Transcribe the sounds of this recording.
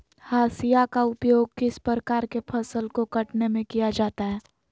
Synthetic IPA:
haːsijakaʊpjoːɡ̚kɪspɾɾəkaːɾkepʰɐsəlkokɐʈnemẽkijad͡ʒaːt̪aɦɛː

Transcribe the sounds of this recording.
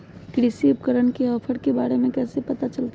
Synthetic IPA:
kɾisipkəɾənkeɦɔpʰəɽkebaːɽemẽkɛːsepət̪at͡ʃəlt̪a

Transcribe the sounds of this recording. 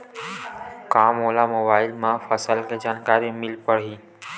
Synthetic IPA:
kaːmoːlamoːbaːɪlmãfəsəlked͡ʒaːnkaːɾimɪlpəɽ̤iː

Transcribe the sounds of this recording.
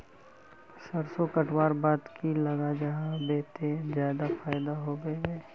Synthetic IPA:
sɐɾsokɐʈʰwaːɾbaːd̪kʰilɐɡad͡ʒɐɦãbeːt̪ezjaːd̪afaːɪd̪aɦobeːɡee

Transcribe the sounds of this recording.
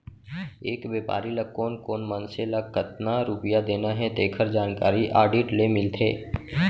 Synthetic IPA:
eːkbeːpa̰ːɾilɐkːoːnkoːnmənselɐkːət̪naɾʊpjad̪eːnaɦɛt̪eːkʰəɾd͡ʒaːnkaːɾiʔaːɾɖɪːʈlemɪlt̪ʰḛː

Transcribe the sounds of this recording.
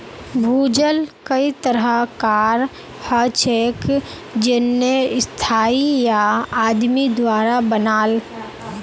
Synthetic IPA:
bʱuːd͡ʒəlkəit̪əɾəkaːɾ | hət͡ʃeːk | d͡ʒɪnːeɪst̪ʰaːijaaːd̪mid̪waːɾabənaːl

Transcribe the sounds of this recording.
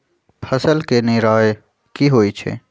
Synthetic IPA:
pʰəsəlkeneːɾaːe | kiɦoːit͡ʃʰḛː

